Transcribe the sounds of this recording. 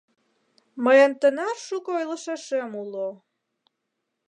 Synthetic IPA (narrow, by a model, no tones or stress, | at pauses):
məjənt̪ə̆nɑrʃukɤojlə̆ʃeʃemulo